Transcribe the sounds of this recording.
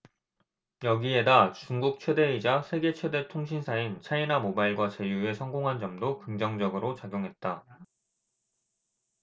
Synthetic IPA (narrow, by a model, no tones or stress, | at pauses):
jʌɡie̞dat͡ɕuŋɡuk̚t͡ɕʰwe̞de̞id͡ʑasʰe̞ɡe̞t͡ɕʰwe̞de̞tʰoŋɕ̬ʰinsʰaint͡ɕʰainamobaiɭɡwat͡ɕe̞jue̞sʰʌŋɡoŋɦand͡ʑʌmdokɯŋd͡ʑʌŋd͡ʑʌɡɯɾot͡ɕaɡjoŋɦe̞t̚t͈a